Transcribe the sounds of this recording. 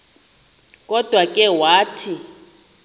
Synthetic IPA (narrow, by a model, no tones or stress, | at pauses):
kʼɔd̥ʱwakʼɛwaːtʰi